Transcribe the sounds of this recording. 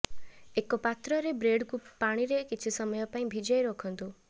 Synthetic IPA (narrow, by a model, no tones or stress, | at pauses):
ekɔpat̪ɾɔɾebɾeɖkupaɽ̃iɾekit͡ʃʰisɔmɔjɔpaĩbʱid͡ʒɔjɾokʰɔnt̪u